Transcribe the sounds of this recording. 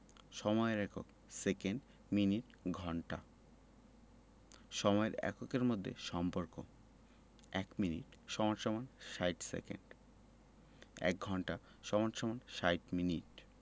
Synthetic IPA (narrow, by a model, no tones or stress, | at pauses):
ʃɔmɔeɾɛkʰo̰k | sekeɳɖ | miniʈ | ɡʱɔɳʈa | ʃɔmɔeɾɛ̰kokeɾmod̪ʱːḛʃɔmpoɾko | ɛkminḭʈʃɔmanʃɔmanʃajʈsḛkḛɳɖ | ɛ̰k̚ɡʱɔɳʈa | ʃɔmanʃɔmanʃajʈminiʈ